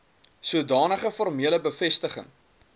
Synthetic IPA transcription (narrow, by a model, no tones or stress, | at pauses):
suədɑːnəχəfɔrmiələbəfɛstəχə̰ŋ